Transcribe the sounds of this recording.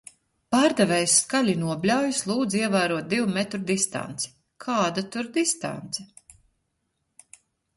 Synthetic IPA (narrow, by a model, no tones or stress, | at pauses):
paːɾd̪ɛvɛjskalʲinuɔbʲlʲawjuslˠuːd̪ziɛvæːɾuɔt̪̚d̪iwmɛt̪ɾud̪ist̪a̰nt̪si̥ | kʰaːd̪at̪uɾd̪ist̪a̰nt̪sɛ